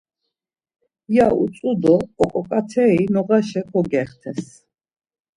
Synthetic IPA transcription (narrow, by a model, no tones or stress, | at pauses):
jaṵt͡s̪ʼud̪ɔːkʼɔkʼat̪ʰɛinɔɣaʃɛkʰɔɡɛχt̪ʰɛs